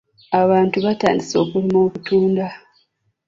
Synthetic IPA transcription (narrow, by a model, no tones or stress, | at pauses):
aβaːntuβata̰ːndiso̞ːkulimo̞ːkutuːnda